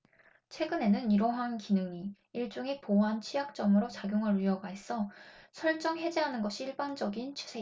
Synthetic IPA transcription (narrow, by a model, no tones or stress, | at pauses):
t͡ɕʰwe̞ɡɯne̞nɯniɾʌɦankinɯŋi | iɭt͡ɕ͈uŋe̞poɦant͡ɕʰijak̚t͡ɕ͈ʌmɯɾot͡ɕaɡjoŋɦɯɾiʌɡaes͈ʌsʰʌɭt͡ɕ͈ʌŋɦe̞d͡ʑeɦanɯnɡʌɕʰiːiɭband͡ʑʌɡint͡ɕʰsʰe